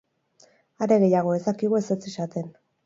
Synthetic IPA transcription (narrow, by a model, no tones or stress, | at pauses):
aɾe̞ɣe̞jaɣ̞o̞e̞sakiɣue̞set͡sisat̪e̞n